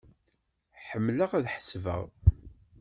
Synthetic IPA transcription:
ħəmːləʁæðħə̥svə̰ʁ

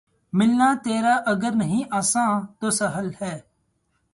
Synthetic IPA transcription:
mɪlnaːt̪eːɾaːʔəɡəɾnəɦĩːʔaːsãːt̪oːsəɦəlhɛː

